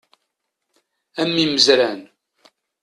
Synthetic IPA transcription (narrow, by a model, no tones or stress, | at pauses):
æmːiməzɾæn